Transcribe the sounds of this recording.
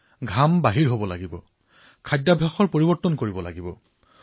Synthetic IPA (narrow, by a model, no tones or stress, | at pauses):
ɡʱambaɦiɹɦobɔla̰ɡibɔ̰ | kʰajdːabʱaxɔɹpoɹibɔɹtːɔnkoɹibɔla̰ɡibɔ